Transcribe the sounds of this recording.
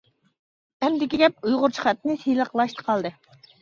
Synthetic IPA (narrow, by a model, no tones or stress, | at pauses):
ɛmd̪ɪkʲiɡʲɛp̚ujʁʊɾt͡ʃʰi̥χɛt̪nɪsijlˠəqlˠɑʃt̪ʰə̥qʰɑlˠd̪ɨ